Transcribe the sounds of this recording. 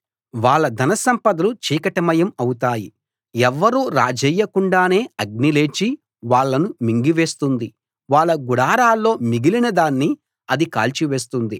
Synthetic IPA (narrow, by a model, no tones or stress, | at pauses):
ʋaːɭːɐd̪ʱɐnɐsɐmpɐd̪ɐlut͡ʃiːkɐʈɐmɐjɐmɐwut̪aːji | ɛʋːɐɾuːɾa̰ːd͡ʒɛjːɐkuɳɖaːne̞ːɐɡ̚nileːt͡ʃi | ʋaːɭːɐnumiŋɡiʋe̞ːst̪und̪i | ʋaːɭːɐɡuɽaːɾaːlːo̞ːmiɡilinɐd̪aːnːi | ɐd̪ika̰ːlt͡ʃiʋe̞ːs̬t̪und̪i